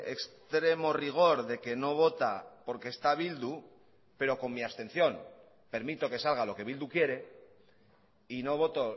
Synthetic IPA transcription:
ḛkst̪ɾe̞mo̞riɣ̞o̞ɾðe̞ke̞no̞β̞o̞t̪apo̞ɾkeːst̪aβ̞ild̪u | pe̞ɾo̞ko̞ŋmiast̪ẽ̞n̟θjo̞n | pe̞ɾmit̪o̞ke̞salɣalo̞ke̞β̞ild̪ukje̞ɾe̞ | ino̞βo̞t̪o̞

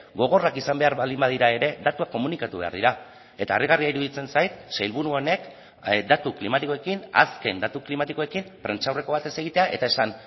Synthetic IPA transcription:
ɡo̞ɣ̞o̞rakisambe̞aɾβald̪imbaðiɾae̞ɾe̞d̪at̪uako̞munikat̪uβe̞a̰ɾð̞iɾa | e̞t̪aːriɣariaiɾuðit͡se̞nsajt̪sejlβuɾuone̞k | d̪at̪uklimat̪iko̞e̞kina̰ske̞nd̪at̪uklimat̪iko̞e̞kimpɾe̞nt͡ʃawre̞ko̞β̞at̪e̞se̞ɣ̞it̪e̞aʔe̞̰t̪ae̞san

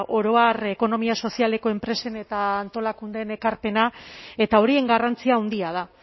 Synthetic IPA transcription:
o̞ɾo̞are̞ko̞no̞miaso̞siale̞ko̞e̞mpɾe̞se̞ne̞t̪aːnt̪o̞lakund̪e̞ne̞kaɾpe̞nae̞t̪ao̞ɾie̞ŋɡarant͡siaːwnd̪iað̞a

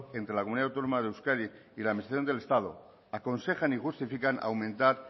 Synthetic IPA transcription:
e̞nt̪ɾelakomuniawt̪o̞nomaðewskaɾiilaðminist̪ɾaθjond̪ele̞st̪að̞o̞̰ | ako̞nse̞xanixust̪ifikana̰wmẽnt̪aɾ

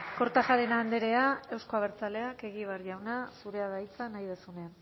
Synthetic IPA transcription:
ko̞ɾt̪axaɾenaːnd̪eɾe̞ae̞wsko̞aβ̞e̞ɾt͡sale̞ake̞ɣiβ̞arʝawnasuɾe̞aðajt͡sanajð̞esunea

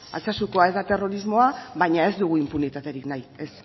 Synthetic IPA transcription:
a̰t͡sasuko̞ae̞zd̪at̪e̞ro̞ɾizmo̞aβajɲae̞zd̪uɣ̞uimpunit̪at̪e̞ɾiknaje̞s

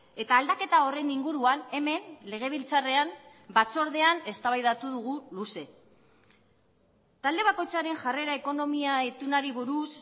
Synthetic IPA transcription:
e̞t̪aːld̪ake̞t̪ao̞re̞niŋɡuɾuane̞me̞nle̞ɣ̞e̞β̞ilt͡sare̞am | bat͡so̞ɾðe̞ane̞st̪aβajðat̪uð̞uɣuluse̞ | t̪ald̪e̞β̞ako̞jt͡saɾe̞ŋʝare̞ɾaeko̞no̞miaet̪unaɾiβuɾus

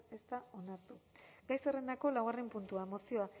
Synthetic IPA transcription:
e̞st̪ao̞naɾt̪uɡ̥ajsere̞nd̪ako̞lawɣarempunt̪uaemo̞sio̞a

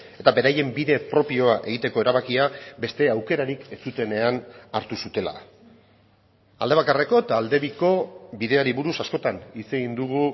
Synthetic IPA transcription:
e̞t̪abe̞ɾaje̞mbiðe̞pɾo̞pio̞aʔe̞ɣ̞it̪e̞ko̞e̞ɾaβakiabe̞st̪e̞awke̞ɾaɾike̞t͡sut̪e̞ne̞anaɾt̪usut̪e̞la̰ | a̰ld̪e̞β̞akare̞ko̞t̪ald̪e̞βiko̞biðe̞aɾiβuɾusasko̞t̪anise̞ɣind̪uɣ̞u

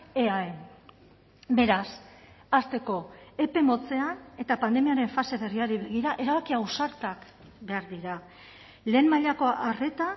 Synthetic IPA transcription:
eaen | be̞ɾas | ast̪e̞ko̞e̞pe̞mo̞t͡se̞ane̞t̪apand̪e̞miaɾe̞ɱfase̞βe̞riaɾiβe̞ɣ̞iɾaʔe̞ɾaβakiawsaɾt̪ak | be̞aɾðiɾa | le̞ːmmaʎako̞ʔare̞t̪a

